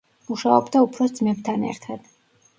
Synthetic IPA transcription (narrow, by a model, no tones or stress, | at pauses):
muʃaɔbd̪aupʰɾɔsd̪zmɛb̚t̪ʰanɛ̰ɾt̪ʰad̪̥